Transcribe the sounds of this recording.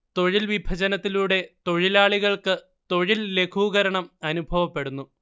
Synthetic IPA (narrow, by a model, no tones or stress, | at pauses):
t̪o̞ɻilʋibʱɐd͡ʑɐnɐt̪ːiluːɽe̞t̪o̞ɻilaːɭiɣɐɭkɨ | t̪o̞ɻille̞kʰuːɣɐɾɐɳɐmɐnubʱɐʋɐpːe̞ɽunːu